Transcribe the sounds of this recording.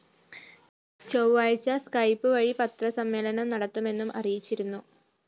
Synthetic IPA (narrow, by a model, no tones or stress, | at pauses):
t͡ɕowʋaːɻt͡ɕːɐskɐjpːɨʋɐɻipɐt̪rɐsɐmːeːlɐnɐmnɐɽɐt̪ːume̞nːumʔɐrijit͡ɕːiɾunːu